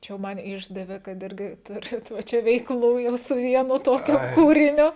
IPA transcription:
ˈt͡ʃʲɛ jɛʊ ˈmɐn ˈɪʒdɐʋʲeː kɐt ˈɪrʲɡʲɪ ˈtʊrʲɪt ʋɐ ˈt͡ʃʲɛ ʋʲɛɪkˈlˠuː jɛʊ sʊ ˈʋʲiɛnʊ ˈtoːkʲʊ ˈkuːrʲɪnʲʊ

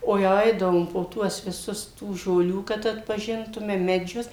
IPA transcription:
oː jɛʊ ˈɐɪdɐʋoːm poː ˈtuɔs ʋʲɪˈsʊs tuː ʒoːˈlʲuː kɐt ɐtpɐˈʒʲɪntʊmʲɛ mʲɛˈd͡ʒʲʊs

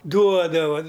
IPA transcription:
ˈduɔdɐʋɐ

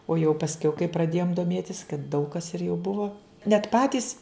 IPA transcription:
oː jɛʊ pɐsʲˈkʲɛʊ kɐɪ prɐˈdʲeːjoːm doːˈmʲeːtʲɪs kɐt dɐʊk kɐs ɪr jɛʊ ˈbʊʋoː nʲɛt ˈpɑːtʲiːs

